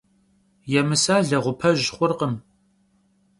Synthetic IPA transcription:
jɛmɨsaːɮɐʁʷʊpʰɐʑχʷʊrqəm

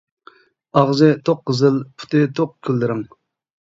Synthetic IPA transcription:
ɑʁzɨt̪ʰoqqːəzɨlˠpʰu̥t̪ʰɨt̪ʰoq̚kʲʰylːɪɾɪŋ

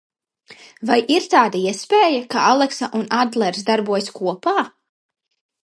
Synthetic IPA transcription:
vajʔiɾt̪aːd̪aiɛspeːjakaalˠɛksaʔunad̪lˠɛɾsd̪aɾbuɔjskuɔpaː

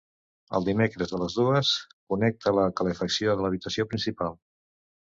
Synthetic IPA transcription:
ə̰lˠd̪imekɾəzðələzðuəskunɛk̚t̪ʰələkələfəksioðələβ̞it̪əsiopɾinsipalˠ

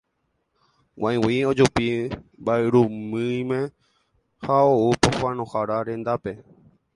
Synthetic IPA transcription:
wʔãj̃wiod͡ʒupimbaeɾumɨ̃j̃mẽ | haoupohwãnõhaɾaɾẽ̞nd̪ape̞

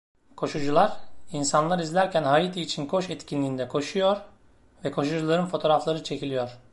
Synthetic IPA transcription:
kʰo̞ʃud͡ʒulˠaɾinsanlˠaɾizlʲæɾcʰænhajit̪ʰiːt͡ʃʰinkʰo̞ʃɛt̪cʰʲinlʲiːnd̪ɛkʰo̞ʃujoɾ | vɛkʰo̞ʃud͡ʒulˠaɾɯnfo̞t̪ʰo̞ɾaflˠaɾɯt͡ʃʰe̞cilʲijoɾ̥

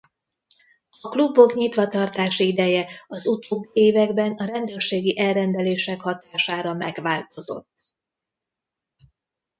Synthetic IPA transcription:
ɒklubːo̞kɲit̪ʋɒt̪ɒrt̪aːʃiid̪ɛjɛɒzut̪oːbːeːvɛɡbɛnɒɾɛnd̪øːrʃeːɡiʔɛlrɛnd̪ɛleːʃɛkhɒt̪aːʃaːɾɒmɛɡʋaːlt̪o̞zo̞̰t̪ː

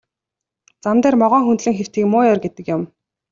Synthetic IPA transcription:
t͡samt̪æːrmɔʁœːŋxunt̪ɮĭŋxer̥t̪iːkmʊːjɔrɡet̪ɘ̆kjʊm

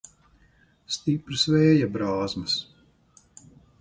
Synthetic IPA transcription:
st̪ipɾɨsvɛːjabɾaːzmɐs

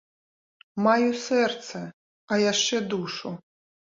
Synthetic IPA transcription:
majusɛrt̪sɐ | ɐjaʂt͡ʂɛd̪uʂu

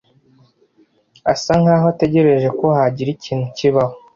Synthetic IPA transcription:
asaŋhaːɦote̞ɟe̞ɾe̞ʒe̞ko̞haɟiɾiciːn̥uciβaho

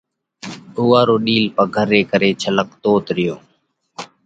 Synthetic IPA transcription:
ʊːaːɾoːɗiːlpəɡʱəɾeːkəɾeːt͡ʃʰələkt̪oːt̪ɾɪjoː

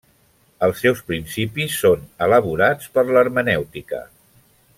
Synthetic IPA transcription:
əlˠsːɛwspɾinsipisːonələβuɾat͡spəɾləɾmənɛwt̪ikə̰

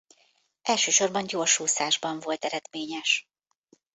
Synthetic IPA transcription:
ʔɛlʃøːʃo̞rbɒnɟorʃuːsaːʒbɒɱvo̞lt̪ɛɾɛd̪meːɲɛʃ

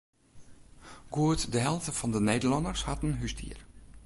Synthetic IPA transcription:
ɡ̥uətdəɦɛlˠvtəfɔndəneːdəlɔnəɹshatn̩ɦysdḭər

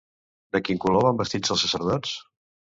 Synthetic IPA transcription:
d̪əkiŋkuloβambəst̪id͡zəlˠsəsəɾðɔt͡s

